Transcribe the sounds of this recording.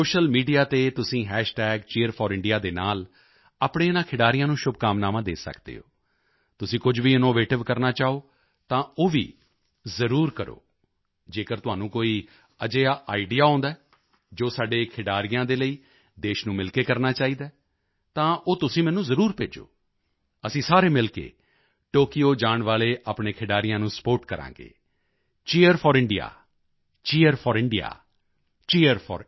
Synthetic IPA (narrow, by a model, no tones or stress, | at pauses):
soːʃəlmiːɖijaːt̪eːt̪ʊsĩːɦɛːʃʈɛːɡt͡ʃiːəɾpʰɔːɾɪ̃ɳɖijaːd̪eːnaːl | aːpɳẽːnãːkʰɪɖaːɾɪjãːnũːʃʊb̚kaːmnaːmãːd̪ḛːsə̰kd̪ḛːɦo̰ː | t̪ʊsĩːkʊd͡ʒʋiːɪnoːʋeːʈɪʋkəɾnaːt͡ʃaːoː | t̪ãːoːʋḭː | zəɾuːɾkəɾo̰ː | d͡ʒeːkəɾt̪ʊɦaːnũːkoːiː | əd͡ʒeːaːʔaːiɖijaːɦõːnd̪aː | d͡ʒoːsaːɖeːkʰɪɖaːɾɪjãːd̪eːləiː | d̪eːʃnũːmɪlkeːkəɾnaːt͡ʃaːiːd̪aː | t̪ãːʔoːt̪ʊsĩːmɛːnũːzəɾuːɾpḛːd͡ʒo̰ː | əsĩːsaːɾeːmɪlkḛː | ʈoːkijoːd͡ʒaːɳʋaːleːʔaːpɳeːkʰɪɖaːɾɪjãːnũːsə̥poːʈkəɾã̰ːɡḛː | t͡ʃeːəɾfʰɔːɾɪɳɖija̰ː | t͡ʃeːəɾpʰɔːɾɪɳɖija̰ː | t͡ʃiːəɾpʰɔ̰ːɾ